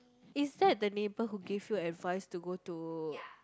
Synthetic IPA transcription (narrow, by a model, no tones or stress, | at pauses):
ɪsdɛt̚dənebəɦuɡevjuɛtvaɪstuɡotu